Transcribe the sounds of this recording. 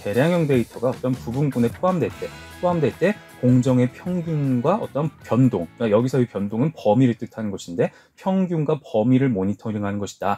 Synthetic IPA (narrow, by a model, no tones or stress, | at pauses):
te̞ɾjaŋjʌŋde̞itʰʌɡaʌt͈ʌnpubunɡune̞pʰoamdwe̞ɭt͈e̞p͈ʰoamde̞ɭt͈e̞koŋd͡ʑʌŋe̞pʰjʌŋɡjuŋɡwaʔʌt͈ʌnpjʌndoŋkajʌɡisʰʌipjʌndoŋɯnpʌmiɾɯɭt͈ɯtʰanɯnɡʌɕʰinde̞ | pʰjʌŋɡjuŋɡwapʌmiɾɯɭmoɲitʰʌɾiŋɦanɯnɡʌɕʰi̥d̥a